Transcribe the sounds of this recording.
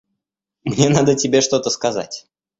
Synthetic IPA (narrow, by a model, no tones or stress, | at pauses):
mnʲenad̪ətʲɪbʲe̞ʂt̪ot̪əskɐza̰tʲ